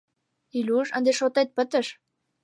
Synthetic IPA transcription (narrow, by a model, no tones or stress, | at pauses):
ilʲuʃənd̪eʃot̪et̪̚pə̆t̪əʃ